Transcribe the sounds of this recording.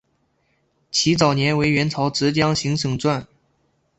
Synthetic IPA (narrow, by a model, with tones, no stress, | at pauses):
t͡ɕʰi˧˥t͡sɑ˨˩ʊnjɛ˧˥nwe˧˥ɪɥɛ˧˥nt͡sʰɑ˧˥ʊʈ͡ʂɻ̩˧˥t͡ɕjɑ˥ŋɕi˧˥ŋʂʰɤ˨˩ŋt͡swa˥˩n